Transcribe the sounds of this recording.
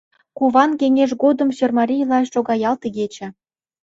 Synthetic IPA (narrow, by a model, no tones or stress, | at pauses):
kuβɑnkeŋeʃ̬ɡod̪ə̆msørmɑɾʲijlˠɑeʃʃoɣɑjɑlt̪əɣet͡ɕɘ̆